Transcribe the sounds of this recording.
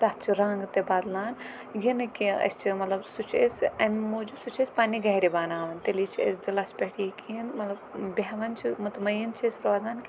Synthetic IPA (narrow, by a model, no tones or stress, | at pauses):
t̪at̪̚ʰt͡ʃʰiɾãŋɡt̪ebaːd̪laːn | ɡinɨkiɐ̰st͡ʃʰimɐt̪lɐbsut͡ʃʰḛsɐnmoːd͡ʒubsut͡ʃʰesʲpaːniɡɐɦiɾibaːnaːʋɐnt̪elit͡ʃʰiɐ̰sd̪ilaspʲɐɽikinmɐt̪lɐbbeɦʋɐnt͡ʃʰimut̪mɐjint͡ʃʰɐsɾʋaːzaːnkʲ